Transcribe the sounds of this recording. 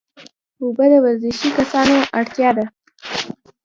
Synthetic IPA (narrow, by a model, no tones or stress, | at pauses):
obəd̪əwaɾzɪʃikasɑnoʔaɽt̪jɑd̪a